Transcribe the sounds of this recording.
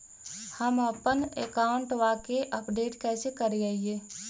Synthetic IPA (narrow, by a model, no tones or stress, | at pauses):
həməpənekaːʊɳʈʋaːkeʔəpɖeːʈkɛːsekəɾd͡ʒaːieː